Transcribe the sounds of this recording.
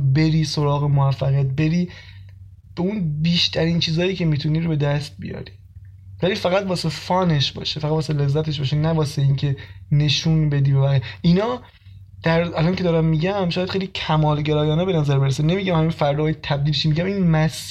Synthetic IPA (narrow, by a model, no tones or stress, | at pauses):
be̞ɾiːso̞ɾɒːɣe̞moæfːæɣijæt̪̚be̞ɾiː | b̥eunbiːʃt̪ʰæɾiːnt͡ʃʰiːzɒːjiːcʰe̞miːt̪ʰuniːɾobe̞d̪æst̪̚bḭjɒ̰ːɾiː | væliːfæɣæt̪̚vbɒːsefɒːneʃbɒ̰ːʃefæʁæd̪vɔːsele̞zːæt̪ʰeʃ̬bɒːʃenæbɒːseiːncʰe̞ne̞ʃunbe̞d̪iːbebæɣijeʔinɒː | d̪̥æɾælɒncʰeɒːɾæmːiɟæmʃɔːjæd̪χejlicʰæmɒːlɟeɾɒːjɒːnɛbe̞næzæɾbeɾesænemiɟæmhæminfæɾd̪ɒːjet̪ʰæb̚d̪iːliʃimiɟæmiːnmæs